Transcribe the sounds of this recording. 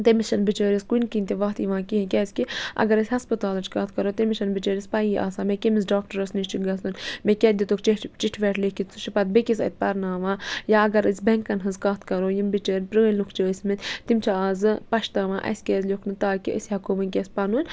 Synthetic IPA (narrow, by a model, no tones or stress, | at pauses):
t̪emiʃɐnbit͡ʃəːɾʲiskunkint̪eʋɐːt̪jiʋãːkiɦĩkʲɛːskiʔɐ̰ɡɐɾɐsʲɦɐspɨt̪aːlɐt͡ʃkat̪ʰkɐɾoːt̪emiʃɐnbit͡ʃəːɾʲispɐjiʔa̰ːsaːmekʲemisɖaːk̚ʈɐɾɐsniʃt͡ʃiɡɐsunmekʲɛd̪ʲit̪okt͡ʃeʈt͡ʃiʈʰʋɛʈʰlekit͡suʃipɐt̪̚bekʲisɐ̰t̪̚ʲpɐɾnaːʋajaɐɡɐɾɨsʲbɛŋkɐnɦɨzkaːt̪ʰkɐɾoːjimbit͡ʃəːnʲpɾəːlukʰt͡ʃəːsʲmit̪ʲt̪imt͡ʃʰaaːzɨpɐʃt̪aːʋaːʔɐ̰sʲkʲɛːzlʲokʰnɨt̪aːkiʔəsʲɦɐkʰomɐnʲkʲɛsʲpɐnuːnʲ